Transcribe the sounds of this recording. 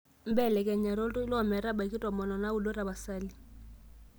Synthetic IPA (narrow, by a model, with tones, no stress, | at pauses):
m̩˦bɛ˦˨lɛ˨kʼɛ˨ɲa˨ɾo˦tʼɔ˦i˦lɔ˦˨mɛ˨ɾa˦ba˨kʼi˦tʼɔ˨mɔ˨nɔ˨na˦u˦lo˦ɾa˨ba˨saː˦li˦